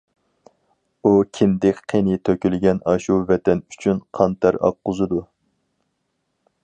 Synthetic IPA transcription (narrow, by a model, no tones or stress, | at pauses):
ukʲʰɪnd̪ɪkʲqʰːenɪt̪ʰøkʲylɡʲɛnɑʃuvɛt̪ʰɛnyt͡ʃʰynqʰɑnt̪ʰæɾɑ̰qːʊzɨd̪u